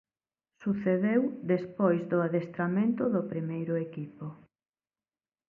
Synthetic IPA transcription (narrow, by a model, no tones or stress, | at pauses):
suθeðewd̪espojzðʊaðest̪ɾamẽnt̪ʊðʊpɾimejɾʊekipo